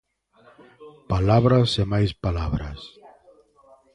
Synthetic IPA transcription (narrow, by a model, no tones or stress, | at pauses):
palaβɾasemajspalaβɾa̰s